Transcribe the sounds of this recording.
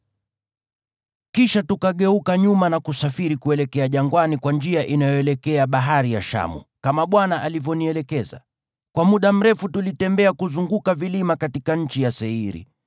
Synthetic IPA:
kiʃatukaɠɛukaɲumanakusafiɾikuɛlɛkɛaʄaŋɡwanikwand͡ʒiaʔinajɔɛlɛkɛaɓaɦaɾija̰ʃa̰mṵkamaɓwanaʔalivjɔniɛlɛkɛza̰ | kwamuɗam̩ɾɛfutulitɛmbɛakuzuŋɡukavilimakatikaɲ̩t͡ʃijasɛiɾḭ

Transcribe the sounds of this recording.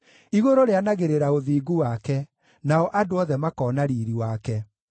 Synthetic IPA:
iɣoɾoɾeanaɣeɾeɾaoðiːɡuwakɛ | naɔʔadoɔðɛmakɔːnaɾiːɾiwakɛ

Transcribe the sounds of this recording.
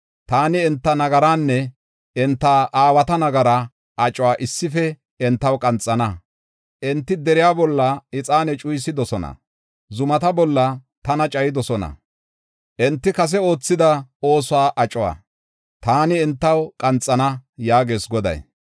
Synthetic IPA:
t̪aːnɪɛnt̪ːɐnɐɡɐɾaːnːɛ | ɛnt̪ːaːʔaːwɐt̪ɐnɐɡɐɾɐ | ʔɐt͡ʃʼɔwaːʔɪsːɪfɛ | ɛnt̪ːɐwkʼɐnt͡sʼːɐnɐ | ʔɛnt̪ːɪd̪ɛɾɪjaːbɔlːɐɪt͡sʼaːnɛt͡ʃʼʊjs̬ɪd̪ɔsɔnɐ̰ | zʊmɐt̪ɐbɔlːɐ | t̪ɐnɐt͡ʃʼɐjɪd̪ɔsɔnɐ̰ | ʔɛnt̪ːɪkɐs̬ɛo̞ːt͡sːɪd̪ɐo̞ːsʊaːʔɐt͡ʃʼɔwa̰ː | t̪aːnɪɛnt̪ːɐwkʼɐnt͡sʼːɐnɐjaːɡe̞ːsɡɔd̪ɐ̰j

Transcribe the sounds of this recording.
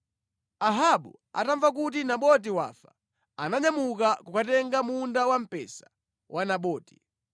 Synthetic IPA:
aɦaɓu | a̰taɱvak̬ut̬inaɓɔt̬iwa̰ːfḁ | anaɲamukakukatɛŋɡamundawam̩pɛ̰sḁ | wʔanaɓɔːti̥

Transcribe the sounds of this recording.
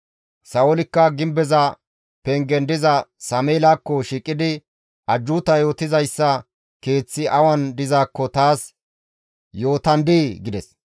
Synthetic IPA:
sɐwɔlɪkːɐɡɪmbɛzɐ | pɛŋɡɛnd̪ɪzɐsɐmeːlaːkːɔʃiːkʼːɪd̪ɪ | ɐd͡ʒːuːt̪ɐjo̞ːt̪ɪzɐjsːɐ | ke̞ːt͡sːɪʔɐwɐnd̪ɪzaːkːɔt̪aːs | jo̞ːt̪ɐnd̪iːɡɪd̪ɛs

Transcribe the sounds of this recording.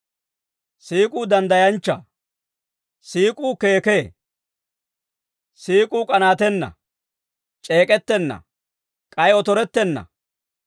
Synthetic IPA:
siːkʼuːd̪ɐnd̪ɐjɐnt͡ʃːɐ | siːkʼuːke̞ːke̞ː | siːkʼuːkʼɐnaːt̪ɛnːɐ̰ | t͡ʃʼeːkʼɛt̪ːɛnːɐ̰ | kʼɐjɔt̪ɔɾɛt̪ːɛnːɐ̰

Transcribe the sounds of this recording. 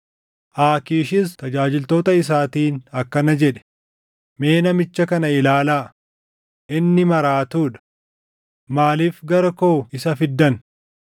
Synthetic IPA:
ʔaːkiːʃɪst̪ɐd͡ʒaːd͡ʒɪlt̪o̞ːt̪ɐɪs̬aːt̪iːnɐkːɐnɐd͡ʒɛᶑɛ̥ | me̞ːnɐmɪt͡ʃːɐkɐnɐɪlaːlaː | ʔɪnːɪmɐɾaːt̪uːᶑɐ̥ | maːliːfɡɐɾɐkoːɪsɐfɪd̪ːɐn

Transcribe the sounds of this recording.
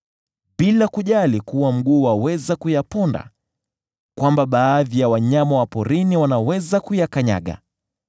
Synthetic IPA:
ɓilakuʄalikuwam̩ɠuːwawɛzakujapɔnda̰ | kwambaɓaːðijawaɲamawapɔɾiniwanawɛzakujakaɲa̰ɠa̰

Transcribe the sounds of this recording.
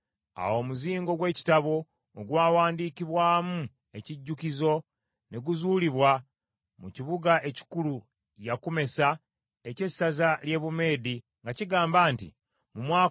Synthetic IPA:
a̰wo̞ːmuziːŋɡo̞ɡwe̞ːci̥taβo̞ː | ɡwaːwaːndiːkiβwaːmu | e̞ciɟːukizo̞ | neɡuzuːliβwa | mṵciβuɡaʔe̞ci̥kulu | jakume̞sa | ece̞sːazalje̞ːβume̞ːdi | ŋɡaciɡaːmbaːntḭ | mumwaː

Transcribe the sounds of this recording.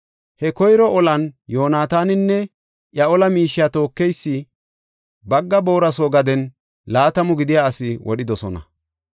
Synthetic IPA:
hɛkɔjɾɔɔlɐnjo̞ːnaːt̪aːnɪnːɛ | ʔjɐɔlɐmiːʃːɪjat̪o̞ːkːɛjsːɪ | bɐɡːɐbo̞ːɾɐsoːɡɐd̪ɛn | laːt̪ɐmʊɡɪd̪ɪjaːɐsɪwɔ̰ɗɪd̪ɔsɔnɐ̰

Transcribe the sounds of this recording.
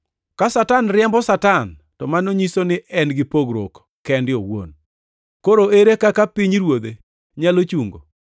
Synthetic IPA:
kasatanɾɪjɛmbɔsatan | tɔmanoɲisonɪʔɛnɡɪpoɡɾo̰k | kɛndɪowo̰n | koɾoeɾekakapiɲɾwod̪e | ɲalot͡ʃuŋɡo̰

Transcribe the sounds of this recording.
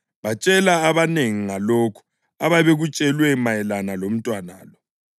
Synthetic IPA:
βat͡ʃʼɛlaːβaneŋiŋaloːkʰu̥ | aβaβeɣut͡ʃʼɛlwɛmajɛlanalom̩tʼwana̰ːlɔ

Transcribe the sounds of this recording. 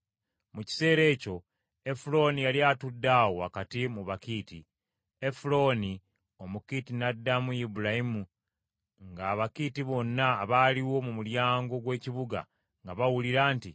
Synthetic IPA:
muci̥se̞ːɾe̞ːco̞ | efulo̞ːnijaljaːtudːawoakatimuβakiːti | efulo̞ːni | o̞mukiːtinadːamujibuɾahimu | ŋɡaːβakiːtiβo̞nːaːβaːliwo̞mumuljaːŋɡo̞ɡwe̞ːciβuɡa̰ | ŋɡaβawuliɾaːnti

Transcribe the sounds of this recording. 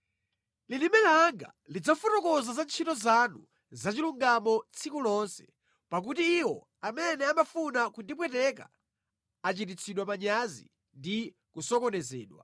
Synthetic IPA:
lilimɛlaŋɡa̰ | lid͡zafutɔkɔzazant͡ʃʰitɔzanu | zat͡ʃiluŋɡamɔt͡sʰikulɔnsɛ̥ | pak̬utiːwɔ | amɛnɛamafunakundip̬wɛtɛk̬a̰ | at͡ʃitit͡sʰiɗwamaɲazḭ | ndi | kusɔkɔnɛzɛːɗwa̰

